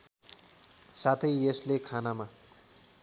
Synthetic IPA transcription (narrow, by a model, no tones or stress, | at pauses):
sat̪ʰʌjeslekʰanama